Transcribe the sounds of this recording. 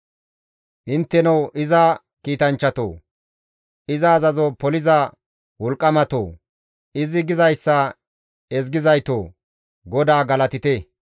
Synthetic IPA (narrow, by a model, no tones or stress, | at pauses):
ʔɪnt̪ːɛnɐwʔɪzɐ | kiːt̪ɐnt͡ʃːɐt̪o̰ː | ʔɪzɐːzɐzopɔlɪzɐ | wɔlkʼːɐmɐt̪o̰ː | ɪzɪɡɪzɐjsːɐ | ɛz̬ɡɪzɐjt̪oː | ɡɔd̪aːɡɐlɐt̪ɪt̪ɛ